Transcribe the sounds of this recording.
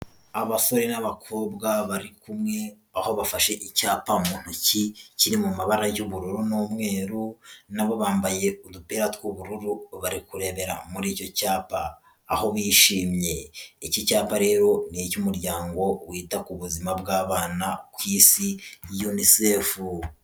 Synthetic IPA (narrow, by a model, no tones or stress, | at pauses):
aβaso̞ɾenaβakʰoːbɡaβaɾikumŋe̞ | aho̞βafaʃe̞ʔicaːpamuːn̥huciciɾimumaβaɾajuβuɾuɾunoːmŋe̞ːɾunaβo̞βaːmbaje̞udupeɾatwuβuɾuɾuβaɾikuɾe̞ːβe̞ɾa̰muɾiːco̞caːpa̰ː | ho̞βiʃiːmɲe̞icocaːpaɾe̞ːɾo̞nicumuɾɟaːŋɡo̞wiːtakuβuzimabɡaːβaːnakwiːsijunisefu